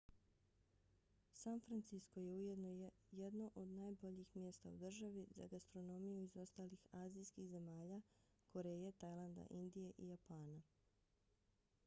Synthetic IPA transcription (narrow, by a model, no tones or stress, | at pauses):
sanfɾant̪sisko̞je̞ujed̪no | jed̪noʔod̪naːjbo̞ʎixmje̞st̪a̰ud̪r̩ʒaʋiza̰ɡast̪ɾo̞no̞mijuizo̞st̪aːlixaːzijskixze̞maːʎa | ko̞ɾejet̪ajlˠand̪a̰ʔind̪ijeʔijapaːna